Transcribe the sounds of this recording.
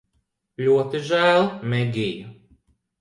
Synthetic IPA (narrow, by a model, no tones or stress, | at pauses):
lʲuɔt̪iʒæːlˠmɛɡʲiju